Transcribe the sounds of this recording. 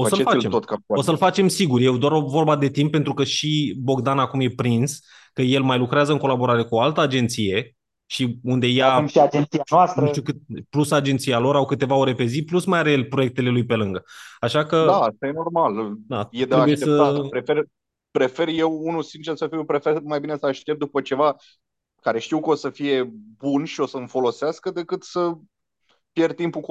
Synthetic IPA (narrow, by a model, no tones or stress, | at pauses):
osəlefait͡ʃemot̪kaosəlfat͡ʃe̞msiɡurʲje̞wd̪owaɾovorbad̪e̞t̪impːent̪ɾukəʃibo̞ɡd̪anakumje̞pɾins | kəjelmajlukɾeazəɨŋko̞labo̞ɾaɾe̞kualt̪əad͡ʒe̞nt̪sije̞ | ʃiund̪e̞jaʃiad͡ʒent̪sianoast̪nuʃt̪iukɨt̪̚plusad͡ʒe̞nt̪sijalo̞ɾawkɨt̪e̞vao̞ɾe̞pe̞ziplusmajaɾeelʲpɾo̞je̞k̚t̪e̞le̞lujpe̞lɨŋɡəaʃakədast̪ajeno̞rmald̪aje̞d̪eɾeabuʃjet̪esət̪at̪pɾe̞fer | pɾe̞fe̞rje̞wunusint͡ʃesəfiwpɾe̞femajbine̞səaʃt̪e̞p̚t̪̚d̪upət͡ʃe̞va | kaɾe̞ʃt̪iwkəosəfije̞bunʃio̞səɨmfo̞lo̞seaskəd̪e̞kɨt̪sə | pje̞rt̪impuk